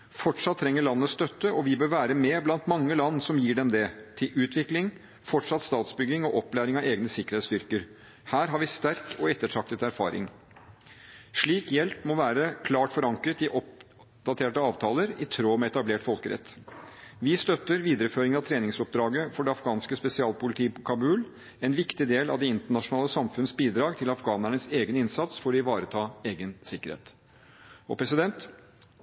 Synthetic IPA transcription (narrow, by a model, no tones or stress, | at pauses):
fɔʈʂɑt̪ʰːɾɛŋːəɭɑnːəst̪œt̪ːəɔʋɪbøːɾʋæːɾəmɛːblɑnt̪mɑŋːəlɑnːsɔmjiːɖɛmd̪ɛt̪ʰɪlʔʉːt̪ʰʋɪklɪŋ | fɔʈʂɑt̪st̪ɑːt̪sbʏɡːɪŋɔʔɔpːlæːɾɪŋɑeːɡnəsɪkəɾheːt̪st̪ʏɾkəɾ | hæːɾɦɑɾʋɪst̪æɾkɔɛt̪ːəʈʰɾɑk̚t̪ət̪æɾfɑ̰ːɾɪ̰ŋ | ʂɭiːkjɛlpmɔʋæːɾəkʰlɑːʈfɔɾɑŋkɾət̪ɪʔɔp̚ | d̪̥ɑt̪ʰeːʈəɑːʋt̪ʰɑːləɾɪt̪ʰɾoːmɛɛt̪ɑbleːʈfɔlkəɾɛ̰t̪ː | ʋɪst̪œt̪ːəɾʋiːd̪əɾəføːɾɪŋəɑʋt̪ʰɾeːnɪŋsɔp̚d̪ɾɑːɡəfɔɖɛɑfɡɑːnskəspɛsɪɑːlpʊlɪt̪ʰiːəpʰɔkʰɑbʉːl | ɛnʋɪkt̪ɪd̪eːlɑ̰ʋd̪ɛɪnt̪əɳɑʂʊnɑːləsɑmfʉnəsbiːd̪ɾɑːɡt̪ʰɪlɑfɡɑːnæɳəseːɡənɪnsɑt̪sfɔɾɔɪʋɑːɾət̪ʰɑːeːɡənsɪkːəɾhḛːt̪ | ɔ̰pʰɾɛsɪd̪ɛnt̪